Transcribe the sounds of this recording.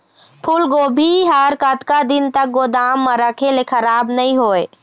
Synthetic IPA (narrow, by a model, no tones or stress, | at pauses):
pʰulɡobʱiɦaɾkət̪kad̪ɪnt̪ək̚ɡod̪amːəɾəkʰelekʰəɾaːbnəĩɦoːe